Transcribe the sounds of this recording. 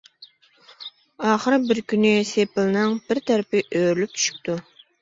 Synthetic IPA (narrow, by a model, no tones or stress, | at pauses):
ɑːχəɾbɪɾkʲynɪsepɪlˠnɨŋb̥ɪɾt̪ʰæɾɪpɪʔøɾylyp̚t͡ʃʰy̥ʃy̥p̚t̪ʰu